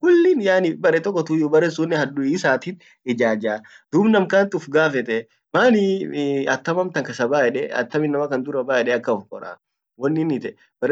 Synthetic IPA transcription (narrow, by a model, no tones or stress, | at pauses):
kʊlːɪnjaːnɪbɐɾɛt̪ɔkːɔt̪ujʊbɐɾɛsuːnːɛhɐd̪ʊiːsaːt̪ɪt | ɪd͡ʒaːd͡ʒaː | d̪̥ʊbnɐmkaːnt̪ɪʊfɡaːfɛt̪ɛ | maːnɪɐt̪ːɐmɐmt̪ɐŋkɐsɐbaːʔɛᶑɛɐ̰t̪ːɐmɪnːɐmɐkɐnd̪ʊɾɐbaːɛᶑɛɐkːɐʊfkʼɔ̰ɾa̰ | wɔnːɪnɪt̪ɛ | bɐɾ